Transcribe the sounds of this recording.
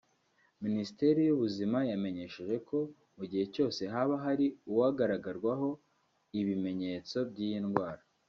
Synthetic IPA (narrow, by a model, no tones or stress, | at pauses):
minisi̥te̞ɾijuβuzimajame̞ɲe̞ʃeʒe̞kʰo̞ | muɟihe̞co̞ːse̞ɦaβaɦaɾiuwaɡaɾaɡaɾɡwaɦo̞ | iβime̞ɲe̞t͡so̞bɟijinɡwaːɾa